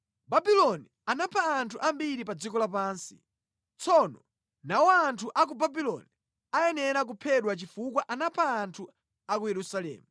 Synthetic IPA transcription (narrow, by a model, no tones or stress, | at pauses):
babilɔni | anapʰaːntʰuʔambiɾipad͡zikɔlap̬aːnsi | t͡sʰɔnɔ | nawɔantʰuʔak̬ubabilɔni | ajɛnɛɾak̬upʰɛɗwat͡ʃifukwaʔanapʰaːntʰu | akujɛɾusalɛ̰ːmu